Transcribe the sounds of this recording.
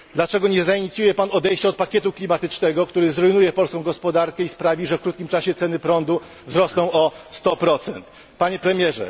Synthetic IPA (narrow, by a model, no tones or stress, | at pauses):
d̪lat͡ʂɛɡɔɲɛzaiɲit̪sʲjujɛpanɔd̪ɛjɕt͡ɕaɔt̪̚pakʲɛt̪uklʲimat̪ɘt͡ʂnɛɡɔk̚t̪uɾɘzɾujnujɛpɔlskɔ̃w̃ɡɔspɔd̪aɾkɛispɾavʲiʐɛfkɾut̪̚kʲimt͡ʂaɕɛt̪sɛnɘpɾɔnd̪u | vzɾɔsnɔ̃w̃ɔst̪ɔpɾɔt̪sɛ̰nt̪ | paɲɛpɾɛmʲjɛʐɛ̰